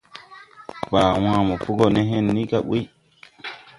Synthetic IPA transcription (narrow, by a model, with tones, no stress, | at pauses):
faː˨w̃ãː˦mɔ˨fu˦ɡo˦nɛ˦ɦẽ˦nːi˦ka˦ɓṵ˦